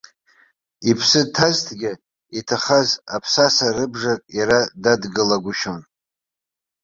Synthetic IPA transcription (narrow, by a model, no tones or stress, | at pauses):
ipʰsɨtʰaztʰɡʲɪ | itʰaχazapʰsasarɨbʐakʼaɾadadɡɨlaɡʷʊʃon